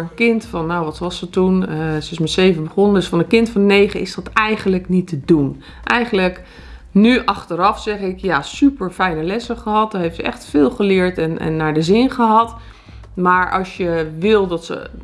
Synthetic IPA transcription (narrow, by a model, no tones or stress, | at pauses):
ənkɪntfɑnːowʋɑtʋɑsətunsəɪsmɛtsejvəbəχɔnədəsfɑnəkɪntfɑnnejχəɪsdɑtɛjχənləknitədun | ʔɛjχənlək | nyʔɑχtəɾɑfsɛχɪkjasypəɹfɛjnəlɛsəχəɦɑt̚dɑɦejftsəʔɛ̰χtfɪːlˠχəlɪɹtɛnɛ̰nːaɹdəzɪnχəɦɑt | maːɹʔɑ̰lˠsjəʋɪlˠdɑtsə̰